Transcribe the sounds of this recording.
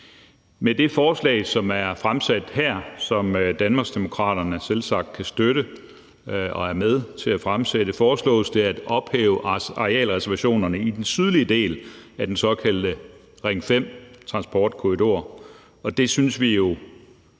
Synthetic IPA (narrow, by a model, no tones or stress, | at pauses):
med̥e̝fɒːslɛ̰ːɪsɒ̽mæɐfʁamsæd̥hæɐ̰sɒ̽md̥ænmɑ̈ːɡ̥sd̥e̝mo̝kʰʁɑ̰̈ːd̥ɐnəæɐselsɑ̈ɡ̥̚d̥̚kʰæsd̥øɾə | ɒ̽æɐmeð̞ˠt͡sʰe̝æfʁamseɾ̥əfɒːslɔ̰̽ːsd̥ʰe̝æd̥ɒ̽b̥hḛːʊəɑ̈ʁeɛ̰ːlʁɛsɐʋæɕo̝̰ːnɐnəid̥ensyð̞ˠliəd̥e̝̰ːlæd̥ensɒ̽kʰæl̰d̥ə | ʁeŋfem̰t͡sʰʁɑ̈nsb̥ɒːd̥kʰo̝ʁid̥o̝ɐ̰ | ɒ̽d̥e̝synsʋijo̝